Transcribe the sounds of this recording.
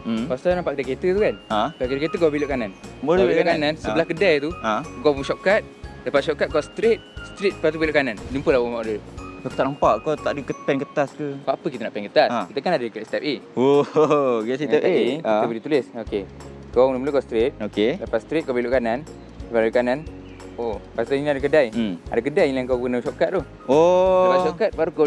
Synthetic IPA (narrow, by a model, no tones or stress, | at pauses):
past̪ɔnampaʔkət̪əket̪ət̪ukanãkakidəket̪əkabiloʔkananmoilokanansəəlahkədajt̪uãkɔbuŋʃɔkat̪̚dapat̪ʃɔʔkat̪̚kɔsə̥t̪ɾet̪̚sə̥t̪ɾit̪̚pat̪̬ubiloʔkanand͡ʒumpəlahwomaʔdəpəko̥t̪aʔlampaʔkɔt̪aʔdəkəpɛnkət̪askəpapəkit̪ənaʔpɛnkət̪asait̪əkanadəkaʔsi̥t̪ɛp̚eo | ɡɛsit̪ɛp̪eeəbədit̪ulɪsoke | kaŋnəmlukast̪ɾɪt̪̚okedapat̪st̪ɾit̪̚kopəiloʔkanan | dapaadukanan | opast̪ainiadakədaja̰dak̬ədajlaŋkapənəʃɔʔkat̪̚t̪uh | odapatʃɔʔkat̪̚baɾuko